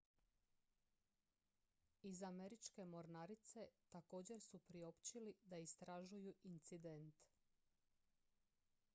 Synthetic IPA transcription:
izame̞ɾit͡ʃke̞mo̞ɾnaɾit̪se̞t̪ako̞ːd͡ʑe̞ɾsupɾio̞pt͡ɕilid̪aist̪ɾaʒujuʔint̪sid̪ent̪

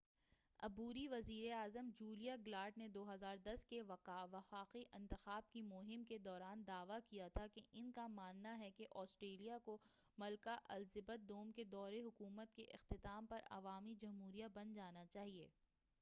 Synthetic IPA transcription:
ɐ̰buːɾiʋɐziːɾeaːzəmd͡ʒuːlijaɡlaːʈned̪oːɦɐzaːɾd̪ɐskeʋɐqaːʋɐxaːqiʔɪ̃nt̪ɪxaːb̚kimʊɦɪmked̪ɔːɾaːnd̪aːʋakijat̪ʰakeʔɪnkamaːnːaɦɛkeʔɔːsʈɾeːlijako | mɐlkaʔɐlzɪbət̪̚d̪oːmked̪ɔːɾeɦʊkuːmət̪̚keʔɪ̰xt̪ɪt̪aːmpɐɾɐ̰ʋaːmid͡ʒɐmɦuːɾijabɐnd͡ʒaːnat͡ʃaːɦieː

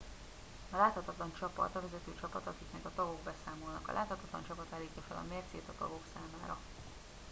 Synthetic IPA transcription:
ɒlaːt̪hɒt̪ɒt̪lɒnt͡ʃɒpɒ̰t̪ɒvɛzɛt̪øːt͡ʃɒpɒt̪ɒkiknɛɡɒt̪ɒɡo̞ɡbɛsaːmo̞lnɒ̰kɒ̰lʔaːt̪hɒt̪ɒt̪lɒ̰nt͡ʃɒpɒt̪aːliːc̪ːɒfɛlɒ̰meːrt̪sḛːt̪ɒt̪ɒ̰ɡo̞ksaːmaːɾɒ

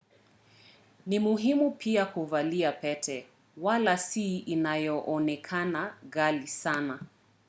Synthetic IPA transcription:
nimuɦimupiakuvaliapɛtʰɛ | walasiinajɔʔɔnɛkʰanaɣalisana

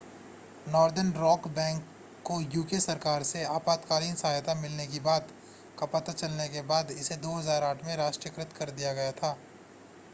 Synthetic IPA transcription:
nɔːɾd̪əɾnɾɔːkbɛ̃ːŋkː | ojuːkesɐɾkaːɾseaːpaːt̪kaːliːnsɐɦaːjt̪amɪlnek̬ibaːd̪ | kɐpɐt̪at͡ʃɐlnekebaːd̪ɪsed̪oːɦɐzaːɾaːʈʰmẽɾaːʃʈɾijəkɾɪt̪kɐɾd̪ijaɡɐjat̪ʰaː

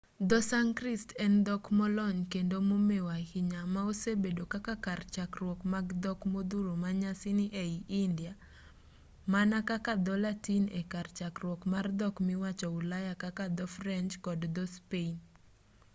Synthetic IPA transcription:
d̪ɔsaŋkristɛnd̪ɔkmɔlɔɲkendomomewahiɲamaosebedokakakart͡ʃakrwɔkmaɡd̪ɔkmod̪uɾomaɲasiniʔeiʔindja | manakakad̪ɔlatinekart͡ʃakrwɔkmard̪ɔkmɪwat͡ʃɔulajakakad̪ɔfɾɛnt͡ʃkɔdd̪ɔspen

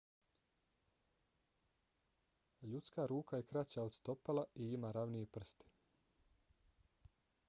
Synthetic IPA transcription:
ʎut̪skaːɾuːkajekɾat͡ɕaod̪st̪o̞palaiimaːɾaʋnijepr̩st̪i̥

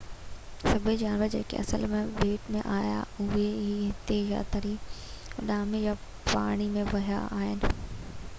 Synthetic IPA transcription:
sɐbʱɪd͡ʑaːnʋəɾd͡ʑḛːkʰḛʔɐ̰sə̰lmẽʋeːʈmẽʔaːja̰ʊɦeɦiɦɪt̪eja̰t̪ɐɾi | ʊɗaːmeja | paːɽ̃imẽʋɐɦija̰a̰ːɦɪnɪ

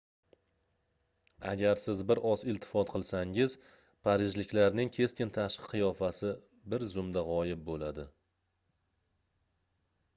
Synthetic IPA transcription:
a̰ɡʲaɾsɪzbɪɾɒsɪlt̪ʰɪ̥fɒt̪qʰɨlˠsaŋɪz̥ | pʰaɾɪʒlɪkʲlaɾnɪŋkʲʰe̞skʲɪnt̪ʰaʃɨ̥qʰɨjɒfasɪ | bɪɾzʊmd̪aʁɒjɪp̚bolad̪ɪ

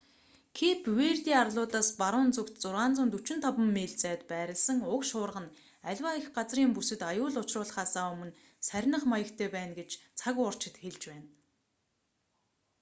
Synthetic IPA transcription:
kʰeːpʰweːrt̪iːarɮʊːt̪aːspaɾʊːnt͡sɵkt̪t͡sʊrʁaːnt͡sʊ̆nt̪ut͡ɕɪ̆nt̪ʰɔpə̆mːeːɮt͡sæːt̪pæːɾʲɪ̆ɮsə̆ŋʊkʃʊːrʁə̆n | æɮʲwaixɢat͡sriːmpusɘ̆t̪ajʊːɮʊt͡ɕrʊːɮχaːsaːɵmɵ̆n | sæɾʲnə̆χmajə̆kt̪ʰeːpæːnɡet͡ɕt͡sʰaɣʊr̥t͡ɕɪ̆t̪xeɮt͡ɕpæːn

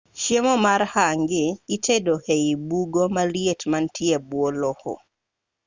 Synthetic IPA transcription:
ʃjemɔmaɾhaŋɡɪːtedoheibuɡomalietmantʰiebwolɔhɔ̰

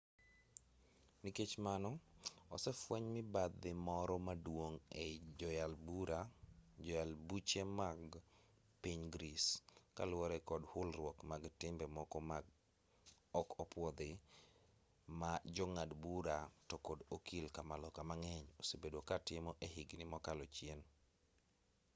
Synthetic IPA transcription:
niket͡ʃmanɔɔ̰sɛfwɛɲmɪbad̪ːɪmɔɾɔmadwoŋed͡ʒɔjalbuɾad͡ʒɔjalbut͡ʃemaɡ | piɲɡɾiska̰lwɔɾɛkɔdhʊlrwɔkmaɡtɪmbɛmɔkɔm | ɔkɔpwɔd̪ɪ | mad͡ʒɔŋadbuɾatɔkodokilkamalɔkamaŋɛɲosebedwokatɪmɔʔeɦiɡnɪmɔkalɔt͡ʃjen

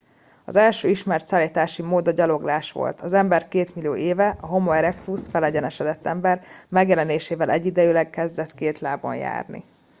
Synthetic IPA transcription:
ɒ̰zɛlʃøːiʃmɛrt̪saːlːit̪aːʃimoːd̪ɒɟɒlo̞ɡlaːʃʋo̰lt̪ɒzɛmbɛrkeːt̪milijo̰ːʔeːvɛʔɒɦo̞moɛɾɛkt̪usfɛlɛɟɛnɛʃɛd̪ɛt̪ːɛmbɛrmɛɡjɛlɛneːʃeːvɛlɛɟːid̪ɛjilɛɡkɛzd̪ɛt̪keːt̪laːbo̰nja̰ːrnḭ

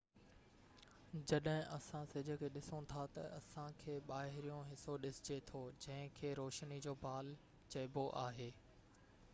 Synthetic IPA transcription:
d͡ʑɐɗɦɪ̃ʔɐsãsɪd͡ʑʱʊ̆kʰeːɗɪsõt̪ʰat̪ɐ̰ʔɐsãkʰeːɓaːɦɪɾijõɦɪsoɗɪsɪd͡ʑet̪ʰod͡ʑɐ̃ɦɪ̃kʰeːɾoːʃnid͡ʑoːbʱaːl | t͡ɕɐɪboʔaːɦeː

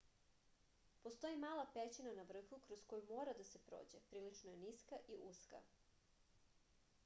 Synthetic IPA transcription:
po̞st̪o̞jimaːlˠapet͡ɕinanaʋr̩xukɾo̞sko̞jumoːɾad̪ase̞pɾo̰ːd͡ʑepɾiːlit͡ʂnoje̞niskaʔiʔuska̰

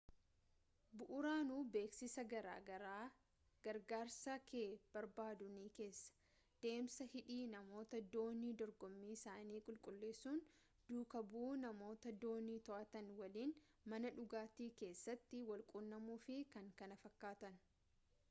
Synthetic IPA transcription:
bʊʔʊɾaːnuːbe̞ːksɪsɐɡɐɾa̰ːɡɐɾaː | ɡ̥ɐɾɡaːɾsaːkʰe̞ːb̥ɐɾbaːd̪ʊniːke̞ːsːɐ̥ | d̪̥e̞ːmsɐhɪᶑiːnɐmo̞ːt̪ɐd̪o̞ːniːd̪ɔɾɡɔmːiːɪsaːniːkʼʊlkʼʊlːeːsuːn | d̪̥uːkɐbuːnɐmo̞ːt̪ɐd̪o̞ːniːt̪ɔʔɐt̪ɐnwɐliːn | mɐnɐᶑʊɡaːt̪iːke̞ːsːɐt̪ːɪwɐlkʼʊnːɐmuːfɪkɐŋkɐnɐfɐkːaːt̪ɐn

